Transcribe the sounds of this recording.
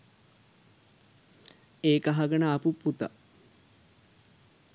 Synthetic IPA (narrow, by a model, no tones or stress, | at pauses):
eːkaɦaɡənəːpuput̪a̰